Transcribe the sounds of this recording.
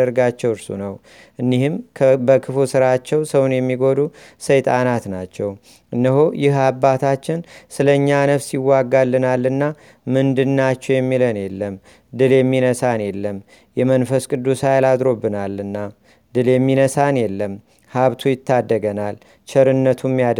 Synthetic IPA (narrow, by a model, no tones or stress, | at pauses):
əɾɡat͡ʃːɛwɨɾsṵnəw | ʔɨnːihɨmkʰbəkʰɨfusɨɾat͡ʃːɛwsəwnjɛmːiɡo̞d̪usəjt̪ʼanat̪nat͡ʃːɛw | ɨnːəɦojɪhabːat̪ʰat͡ʃːɪnsɨləɲːanəβsɪwːaɡːalːɨnalːɨnːa | mɨnd̪ɨnːat͡ʃːɛwjɛmːilənjɛlːəm | d̪ɨljɛmːinəsanjɛlːəm | jɛmənfəskʼɨd̪ːusajlad̪ɾo̞bːɨnalːɨnːa | d̪ɨljɛmːinəsanjɛlːəm | haβt̪ʰujɪt̪ʰːad̪ːəɡənal | t͡ʃʰɛɾɨnːət̪ʰumːja